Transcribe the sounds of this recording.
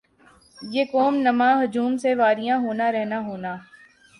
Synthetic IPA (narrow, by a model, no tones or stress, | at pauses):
jeːkoːmnɐmãːɦʊd͡ʒuːmseʋaːɾɪjãɦoːnaɾɛɦnaɦoːnaː